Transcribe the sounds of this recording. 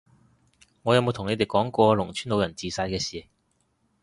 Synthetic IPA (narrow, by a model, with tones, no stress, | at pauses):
ŋɔ˨˧jɐ˨˧wmo˧wt̪ʰʊ˨˩ŋne˨˧jt̪e˨˩jkɔː˨˥ŋkɔː˧lʊ˨˩ŋt͡ʃʰyː˥nlo˨˧wjɐ˨˩nt͡siː˨saː˧jkɛː˧siː˨˩